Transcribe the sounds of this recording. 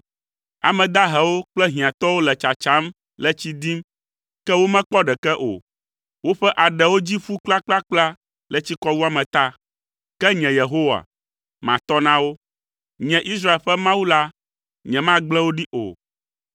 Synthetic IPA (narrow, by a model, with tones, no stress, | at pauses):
a̰˨mɛ̃˨d̪a˦ɦɛ˨wo˦k͡plɛ˦ɦĩ˨ã˨t̪ɔ˦wo˦lɛ˨t͡ʃa˨t͡ʃa˦m | lɛ˨t͡ɕi˦d̪i˦m | kɛ˦wo˦mɛ̃˦k͡pɔ˦ɖɛ˨kɛ˦ʔo̰˨ | wo˦ɸɛ˦ʔa˨ɖɛ˨wo˦d͡ʑi˦ɸu˦k͡pla˦k͡pla˦k͡pla˦ | lɛ˨t͡ɕi˦kɔ˦wu˦a˦mɛ̃˨t̪a˦ | kɛ˦ɲɛ̃˨je˨ɦo˦wa̰˨ | mã̰˨t̪ɔ˦nã˦wo˦ | ɲɛ̃˨ʔi˦s̬ɾa˦e˨lɸɛ˦mã˦wu˦la˦ | ɲɛ̃˨mã˦ɡ͡blɛ˦wo˦ɖi˦ʔo̰˨